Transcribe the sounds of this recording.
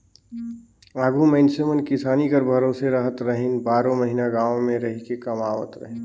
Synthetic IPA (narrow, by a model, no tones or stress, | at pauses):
aːɡʱuməɪnsemənkɪsaːnikəɾbʱəɾoːseɾəɦət̪ɾəɦinbaːɾõməɦinaɡãːomẽɾəɦikekɐmaːwət̪ɾə̰ɦen